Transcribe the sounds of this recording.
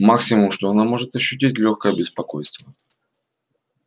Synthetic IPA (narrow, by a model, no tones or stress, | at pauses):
maksʲɪmʊmʂt̪o̞ɐnamo̞ʐɨt̪ɐɕːʉtʲit̬̚ʲlʲoxkəjəbʲɪspɐko̞jst̪vʲɪə